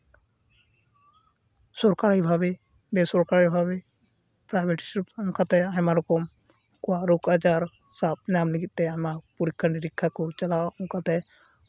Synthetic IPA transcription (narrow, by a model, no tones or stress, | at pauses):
sɔɾkaɾajbʱabe | besɔɾkaɾajbʱabe | pɾajbʱeʈsɾip̚ʊŋkʰat̪ɛaɦɛmaɾɔkɔm | kuaɾukad͡ʒaɾ | sap̚naːmliɡit̪̚t̪ɛamapuɾikʰːəɳɖiɾɪkʰːakɔt͡ʃɐlaʊŋkʰat̪ɛ